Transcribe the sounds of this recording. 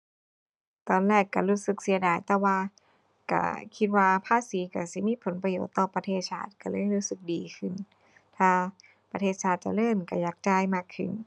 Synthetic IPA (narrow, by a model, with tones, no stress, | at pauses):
t̪ɔː˧˨nlɛː˧˥˩kːa˧˩ɾuː˧˥˩sɯ˨˧˩k̚si˨˩˦ədaː˧˩jt̪ɛː˧˩waː˧ | ka̰˧˩kʰi˧t̪̚waː˧pʰaː˧˥˨siː˨˦ka˧˩si˧˦miː˧˥˨pʰo˨˦npɾa˧jo̰ː˨˩t̪ːɔː˧˩pɾa˧t̪ʰeː˧˩t̪̚sʰaː˧˩t̪̚ka˧˩lɤː˧˥˩jɾuː˧˥sɯ˧˩k̚diː˨˧kʰɯ˧˩n | t̪ʰaː˧˩ | pɾa˧t̪ʰeː˧˩t̪̚sʰaː˧˩t̪̚t͡ɕa̰˧˩ɾɤː˧˥˩mka˧˩jaː˨˩k̚t͡ɕaː˧jmaː˧˩kʰːɯ˧˩n